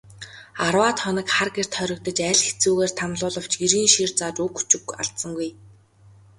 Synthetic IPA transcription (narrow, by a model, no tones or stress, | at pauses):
arwaːt̪χɔnə̆kχarɡer̥t̪ʰχœɾʲɞ̆k̚t̪ə̆t͡ɕæːɮxet͡suːɣeːr̥t̪ʰamɮʊːɮə̆w̥t͡ɕɡiɾiːnʃirt͡saːt͡ɕɵkxu̥t͡ɕɪ̆ɡa̰ɮt̪sə̆ŋɡuj